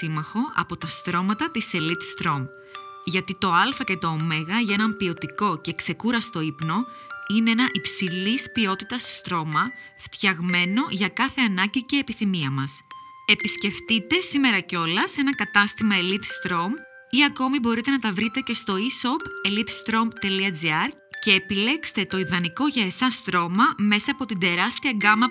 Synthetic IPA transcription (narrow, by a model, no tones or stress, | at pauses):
imɐxo̞ʔɐ̰po̞t̪ɐst̪ɾo̞mɐt̪ɐt̪ise̞lit̪st̪ɾo̞m | ʝɐt̪it̪o̞ɐlfɐce̞t̪o̞ːme̞ɣɐʝɐe̞nɐmpio̞t̪iko̞ce̞kse̞kuɾɐst̪o̞ipno̞ | ine̞enɐʔipsilispio̞t̪it̪ɐsst̪ɾo̞mɐ | ft̪çɐɣme̞no̞ʝɐkɐθe̞ɐnɐɟice̞ːpiθimiɐmɐs | e̞pisce̞ft̪it̪e̞sime̞ɾɐco̞lɐse̞nɐkɐt̪ɐst̪imɐelit̪st̪ɾo̞m | iɐko̞mibo̞ɾit̪e̞nɐt̪ɐvɾit̪e̞ce̞st̪o̞iso̞pe̞lit̪st̪ɾo̞mt̪e̞liɐd͡ziɐɾ | ce̞ːpile̞kst̪e̞t̪o̞iðɐniko̞ʝɐe̞sɐst̪ɾo̞mɐme̞sɐːpo̞t̪ind̪e̞ɾɐst̪iɐɡɐmɐ